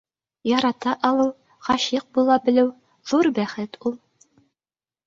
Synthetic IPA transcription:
jɒɾɑt̪ɑʔɒlˠɤw | χɑɕiq̚bulˠɑbɘ̆lɘw | ð̥uɾbæχɘt̪ʰulˠ

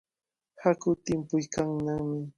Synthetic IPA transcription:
hakʊt̪ɪmpʊjkaŋnaŋmɪ

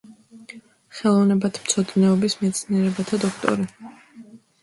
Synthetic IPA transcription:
χɛlˠɔvnɛbat̪ʰmt̪sʰɔd̪nɛɔbismɛt̪sʰniɛɾɛbat̪ʰad̪ɔkʰt̪ʼɔ̰ɾi

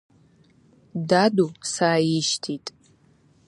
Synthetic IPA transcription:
dadusaːjɪʃtʰitʼ

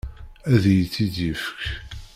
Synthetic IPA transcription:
æðjət͡sːiðjəfə̥k

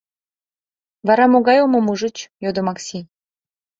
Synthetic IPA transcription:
vɑɾɑmoɣɑjomomuʒə̆t͡ɕjod̪omɑksʲi

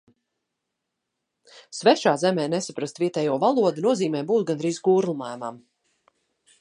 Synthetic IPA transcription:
svɛʃaːzɛmɛːnɛsapɾast̪vʲiɛt̪ɛːjuɔvalˠuɔd̪unuɔziːmɛːbuːt̪̚ɡanɾizɡuːɾlˠumajmam

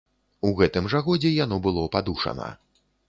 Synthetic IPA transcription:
uɣɛt̪ɨmʐɐɣɔd͡zʲɛjan̪ɔbɨlˠɔpad̪uʂɐ̰nɐ̰

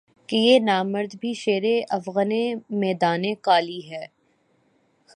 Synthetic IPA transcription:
kejeːnaːməɾd̪bʱiʃeːɾeʔɐfɣənemɛːd̪aːnekaːliɦɛː

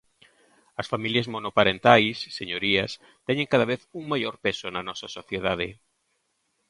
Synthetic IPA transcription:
ɐsfamiljɐzmonopaɾent̪ajsːeɲoɾiɐs | t̪ɛɲẽŋkaðɐβeθuŋmajoɾpesonɐnɔsɐsoθjeðað̞e

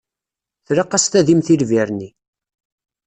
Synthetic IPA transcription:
θɾaqːɑst̪æðimθilviɾni

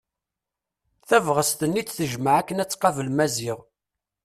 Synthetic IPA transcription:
θævʁəst̪ənːit͡sθəʒməʕækːənæt͡sːqɑvəlmæziʁ

